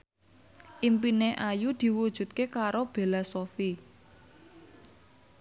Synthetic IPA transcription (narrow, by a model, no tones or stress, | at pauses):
ʔimpineʔajud̪̥i̤wud̥ʒ̥ṳt̪̚kekaɾob̥e̤lasofi